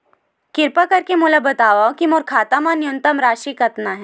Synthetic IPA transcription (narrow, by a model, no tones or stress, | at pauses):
kɪɾpakɐɾkemulabɐt̪aʋaokimoɾkʰaːt̪amanijunt̪əmɾaːʃiːkət̪naɦɛ̃